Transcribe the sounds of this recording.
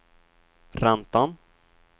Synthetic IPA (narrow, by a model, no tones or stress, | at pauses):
ɾant̪an